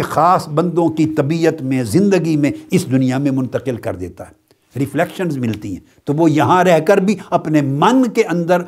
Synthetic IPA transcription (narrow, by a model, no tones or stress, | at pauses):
xaːsbɐ̃nd̪õkit̪ɐbiːət̪mẽzɪ̃nd̪əɡimẽɪsd̪ʊnijamẽmʊ̃nt̪əqɪlkɐ̰ɾd̪ḛːt̪a̰ɦɛː | ɾɪfʰlɛkʃənzmɪlt̪iɦɛ̰̃ːt̪oʋojɐɦãɾɛɦkɐɾbʱiɐpnemɐnkeʔɐ̃nd̪əɾ